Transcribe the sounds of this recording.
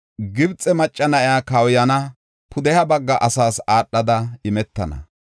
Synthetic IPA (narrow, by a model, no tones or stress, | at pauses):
ɡɪbt͡sʼɛmɐt͡ʃʼːɐnɐʔɪaːkɐwjɐnɐ | pʰʊd̪ɛhɐbɐɡːɐʔɐsaːsaːɗːɐd̪ɐɪmɛt̪ːɐ̰nɐ̰